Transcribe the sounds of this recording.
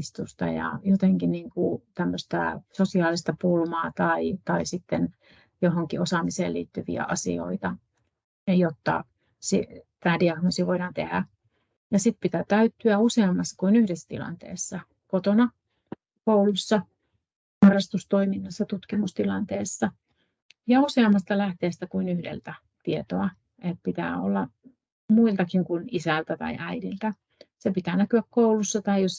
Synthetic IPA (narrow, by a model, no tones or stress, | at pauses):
st̪ust̪ɑ̰jɑ̰jot̪eŋkinniːŋkut̪æmːøst̪æ̰sosiɑːlist̪ɑpulmɑːt̪ɑit̪ɑisit̪ːen | johoŋkiosɑmisḛːlḭːt̪ːyʋḭæ̰ʔɑsḭo̰it̪ɑ | jot̪ːɑ̰ | sḭt̪æːdiɑknosiʋoiɾɑːnt̪ehæ̰ | jɑsit̪pit̪æt̪æyt̪ːyæuseːmːɑsːɑ̥kunyhdesːt̪ḭlɑ̰nt̪ḛːsːɑ | kot̪onɑ | koulusːɑ | hɑrːɑst̪ust̪oiminːɑsːɑt̪ut̪kimust̪ilɑnt̪eːsːɑ | jɑuseɑmːɑst̪ɑlæht̪eːst̪ækuinyhdḛlt̪æ | t̪iet̪oɑ | et̪̚pit̪æ̰ːo̰lːɑ | muilt̪ɑkiŋkunisælt̪æt̪ɑ̰iʔæidilt̪æ | sepit̪æːnækyækkoulusːɑt̪ɑijos